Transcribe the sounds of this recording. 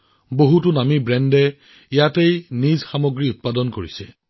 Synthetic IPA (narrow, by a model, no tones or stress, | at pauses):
boɦutʊnamibɹɛndɛ | ijatejnizxamoɡɹiʊt̚padɔnkoɹisɛ